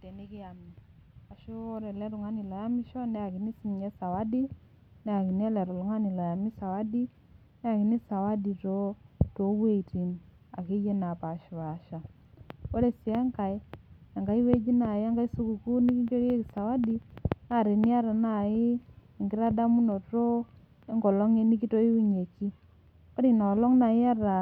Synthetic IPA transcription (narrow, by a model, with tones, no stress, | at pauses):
te˨ni˦ki˦ja˨mi˨a˨ʃu˦o˦ɾɛ˨lɛ˦ɾu˨ŋa˦ni˨lɔ˨ja˦mi˦ʃɔ˦nɛ˦a˨ki˨ni˦si˨mɲɛ˦sa˨wa˦di˦ | nɛ˦a˨ki˨nɛ˦lɛ˨ɾɔ˨lu˨ŋa˦ni˨lɔ˨ja˨mi˦sa˨wa˦di˦ | nɛ˦a˨ki˨ni˦sa˨wa˦di˨to˦to˨wwe˦ti˨n | a̰˨ki˦je˦na˨pa˨ʃi˨wa˨ʃa˨ | o˦ɾe˨si˨a˦ŋka˨ɪ˦a˨ŋɡa˦i˦we˦d͡ʒi˦na˨ɪ˦a˦ŋɡa˦i˦su˦ku˨ku˦ni˦ki˦d͡ʒo˦ɾe˦ki˨sa˨wa˦di˦na˦˨ɾe˨ni˦a˦ɾa˨na˨ɪ˦ | i˨ŋɡɪ˦ɾa˦da˦mu˦no˨to˦ | e˦ŋɡɔ˨lɔ˦ŋe˦ni˦ki˦to˦i˦wu˦ɲe˨t͡ʃi˦ | o˦ɾi˨na˨lɔ˦ŋna˨ɪ˦a˦ɾa˨